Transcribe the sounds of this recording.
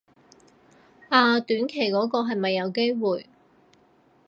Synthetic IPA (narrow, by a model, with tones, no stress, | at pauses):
aː˨˧t̪yː˨˥nkʰe˨˩jkɔː˨˥kɔː˧ɦɐ˨jmɐ˨jːɐ˨˧wke˥jwuː˨j